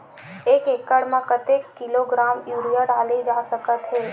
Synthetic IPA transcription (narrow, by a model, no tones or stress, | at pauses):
eːkeːkːəɽmẽkət̪ekːɪloɡɾaːmjuːɾijaɖaːlid͡ʒaːsəkət̪ɦɛː